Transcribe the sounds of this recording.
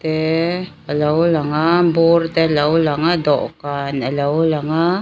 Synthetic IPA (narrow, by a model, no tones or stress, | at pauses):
t̪e | alaulaŋamburt̪elaulaŋad̪oʔkanalaulaŋa